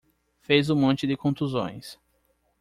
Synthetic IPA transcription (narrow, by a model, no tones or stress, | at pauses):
fejzʊmõnt͡ʃɪd̪ɪkõnt̪uzõ̰j̃s